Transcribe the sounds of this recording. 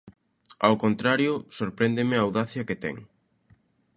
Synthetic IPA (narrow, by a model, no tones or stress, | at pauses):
a̰wkont̪ɾaɾjʊsoɾpɾend̪ɪmɪaːwðaθjɐket̪ɛ̰ŋ